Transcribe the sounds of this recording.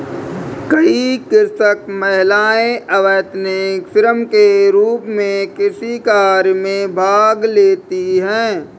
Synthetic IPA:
kɐikɪɾsəkməɦɪlaːẽʔɐʋəːt̪nekfʰɪɾəmkeɾuːpmẽkɪsikaːɾjmẽbʱaːɡleːt̪iɦɛ̃ː

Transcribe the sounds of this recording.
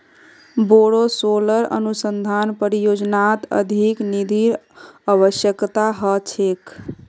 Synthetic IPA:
boɽosoləɾə̰nusənd̪ʱanpəɾijod͡ʒnat̪ə̰d̪ʱiknid̪ʱiɾ | aβəsjəkt̪aɦət͡ʃʰek

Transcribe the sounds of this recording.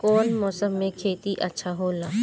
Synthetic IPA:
kɔːnmɔːsəmːẽkʰeːt̪iʔɐtːʃʰaɦoːlaː

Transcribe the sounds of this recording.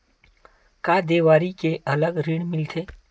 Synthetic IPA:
kaːd̪eːʋaːɾikeʔɐləɡɾiɽmɪlt̪ʰeː

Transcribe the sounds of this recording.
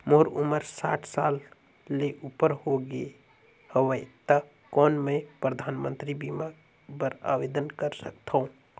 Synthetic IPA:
moːɾʊməɾsa̰ːʈʰsaːlː | eʔuːpəɾɦoɡəe | həwət̪a | kɔːnmẽpɾəd̪ʱaːnmə̃nt̪ɾibima | bəɾa̰ːʋeːd̪ənkəɾsək̚t̪ʰũ

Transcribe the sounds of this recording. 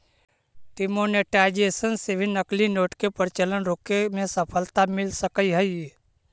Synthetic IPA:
ʈɪmoːneʈaɪd͡ʒeːsənsebʱinəklinoːʈkepəɾɪt͡ʃələnɾoːkemẽsəpʰəlt̪amɪlsəkəiɦəi

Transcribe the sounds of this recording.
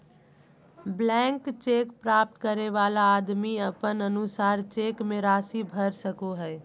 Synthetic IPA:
blɛ̃ŋkt͡ʃekpɾaːp̚t̪kəɾeʋaːlaːd̪miəpənənusaːɾt͡ʃeːkmẽɾaːsibʱəɾsəkoɦɛː

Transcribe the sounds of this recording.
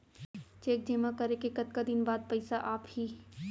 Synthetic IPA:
t͡ʃeːk̚d͡ʒeːmakɐɾekekɐt̪kad̪ɪnbaːd̪̚pɐɪsaʔaːphiː

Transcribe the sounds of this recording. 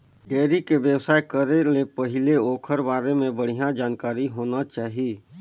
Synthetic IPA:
ɡɛːɾikeʋjəwsaːekəɾelepəɦɪleoːkʰəɾbaːɾemẽbəɽ̤ijãd͡ʒaːnkaːɾiɦoːnat͡ʃaːɦieː

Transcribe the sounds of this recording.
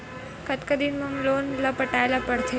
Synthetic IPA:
kət̪kəd̪inməmlonlapəʈajlapəɽt̪ʰe

